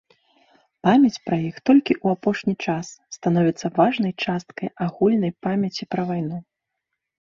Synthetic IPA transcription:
pamʲɐt͡sʲpɾɐjixt̪ɔlʲkʲiʔuapɔʂnʲit͡ʂasːt̪anɔvʲit̪sːɐvaʐnɐjt͡ʂast̪̚kɐjaɣulʲnɐjpamʲɐt͡sʲipɾɐvajn̪u

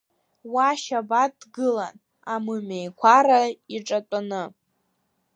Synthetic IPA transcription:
waʃabadɡɨla̰n | amɨmejkʷʰaɾaiʈ͡ʂʼatʷʼanɨ

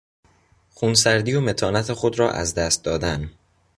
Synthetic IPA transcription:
xuːnsæɾd̪iːjome̞t̪ʰɒːnæt̪ʰexod̪ɾɒːʔæ̰zd̪æst̪̚d̪ɒːd̪æn

